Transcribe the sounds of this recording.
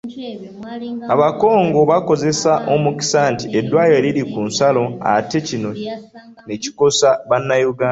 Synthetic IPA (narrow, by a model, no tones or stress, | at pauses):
aβako̞ːŋɡo̞βako̞ze̞saʔo̞muki̥santiʔe̞dːwaːjeliɾikunsalo̞a̰te̞cino̞ | neci̥ko̞saβanːajuɡaː